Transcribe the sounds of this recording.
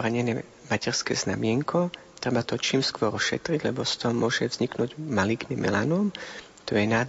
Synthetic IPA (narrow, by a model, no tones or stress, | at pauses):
ɾaɲɛnɛː | macɛɾskɛ̰ːzna̰mɪɛŋkʰɔ | t̪ɾɛbat̪ɔt͡ʃiːmskʋɔɾɔʃɛ̰t̪ɾiɟlɛbɔst̪ɔmʊɔʒɛvz̥ɲiknuːɟmaliɡnimʔɛ̰lanɔm | t̪ɔjɛnaː